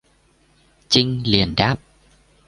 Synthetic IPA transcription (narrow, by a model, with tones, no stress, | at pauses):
t͡ɕï˧ŋ̟li˨˩ənɗaː˦˥p̚